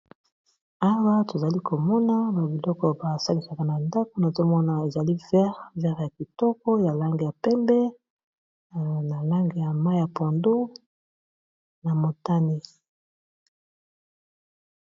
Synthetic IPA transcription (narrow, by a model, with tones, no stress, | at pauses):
a˦wa˦to˨za˨li˦ko˨mɔ˦na˦ba˨bi˨lɔ˦kɔ˨ba˨sa˦li˨sa˨ka˨na˨nda˦ko˦na˨zo˦mɔ˦na˨e˨za˨li˦vɛ˦ʁvɛ˦ʁja˨ki˨tɔ˦kɔ˦ja˨la˦ŋɡe˨ja˨pɛ˦mbɛ˦ | na˨la˦ŋɡe˨ja˨ma˦ja˨pɔ˨ndo˦ | na˨mo˨ta˦ni˦